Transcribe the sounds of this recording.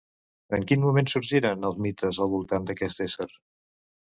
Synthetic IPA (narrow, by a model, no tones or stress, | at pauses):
əŋkinmumensuɾʒiɾənəlˠzmit̪əzəlˠβulˠt̪and̪əkɛst̪esəɾ